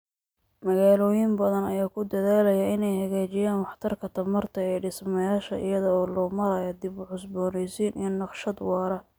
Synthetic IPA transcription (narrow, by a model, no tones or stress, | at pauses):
mɐɣaːlɔːjɪmbɐðɐnɐjaːkʰʊd̪ɐðaːlɐjɐɪnɛjhɐɣaːt͡ʃɪjaːnwɑħt̪ʰɐrkʰɐt̪ʰɐmɐrt̪ʰɐɛjɖɪsmɐjaːʃɐ̰ʔɪ̰jɐðɐɔːlɔːmɐɾɐjɐd̪ɪbʕʊsbɔːnɛsiːnʔijnɑqʃɐd̪wɑːɾɐ